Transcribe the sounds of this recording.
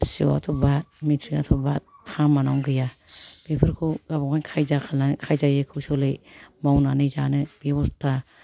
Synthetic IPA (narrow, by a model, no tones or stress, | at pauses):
so̰wa̰tʰɔbat̚mitʰɾiatʰɔbat̚kʰamːanawŋɡɯjab̥epʰɯɾkʰuɡabɔkʰankʰajdakʰlakʰajdajɯkʰɯsɔlɯjmawnanɯzanɯb̥ewɔsta